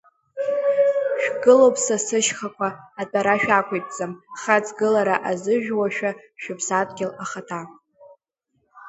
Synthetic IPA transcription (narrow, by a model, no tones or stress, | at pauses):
ʃᶣɡɨlowpʰʼsasɨʃχakʷʰaːtʼaɾaʃᶣakʷʰʼejtʼt͡sʼamχat͡sʰʼɡɨlaɾaʔazɨʒᶣwaʃᶣaʃᶣʊpʰsatʼɡʲɪlaχatʰa